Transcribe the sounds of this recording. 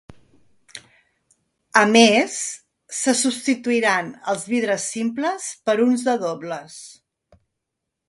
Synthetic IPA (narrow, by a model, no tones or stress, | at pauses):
əmesː | əsupst̪it̪uiɾanə̰lˠzβiðɾəsːimpləspəɾunzðəðoβləs